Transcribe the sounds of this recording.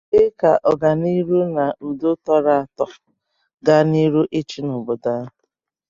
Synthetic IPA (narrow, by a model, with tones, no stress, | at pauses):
ɪ˦ka˨ʔɔ˨ɡa˨ni˦ɾu˦na˨dʊ˦tɔ˦ɾa˦˨tɔ˨ | ɡa˦ni˦ɾu˦ʔɪ˦t͡ʃi˦nʊ˨bʊ˨da˦